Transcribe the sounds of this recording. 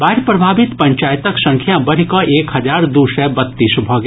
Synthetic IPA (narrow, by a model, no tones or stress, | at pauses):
baɦɪɾpɾɐbʱaːbɪt̪pə̃ɲt͡ʃaːjt̪əksə̃ŋkʰjãbəɾ̤ikɔʔeːkɦɐd͡ʒaːɾd̪usɛbət̪ːiːsbʱɔɡ